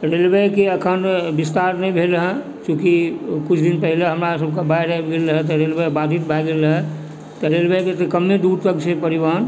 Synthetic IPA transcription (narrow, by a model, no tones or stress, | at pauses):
ɾelbejkeəkʰənbist̪aɾnəĩbʱelɦɛ̃ | t͡ʃũkikut͡ʃʰd̪inpəɦileɦəmɾasəb̚kabajɾabɡeləɦɛt̪ɔɾelbəjbad̪ʱit̪̚bʱajɡeləɦɛ | t̪ɔɾelbəjket̪ekəmːed̪uɾt̪əkt͡ʃʰepəɾiban